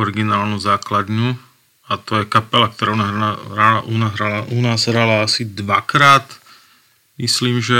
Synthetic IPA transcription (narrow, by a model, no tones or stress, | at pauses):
ɔɾiɡinaːlnuzaːklad̪ɲu | at̪ɔjɛkapɛlak̚t̪ɔɾaːunaaʔunaɦɾalaunaːzɦɾalaasid̪ʋakɾaːt̪ | misliːmʒɛ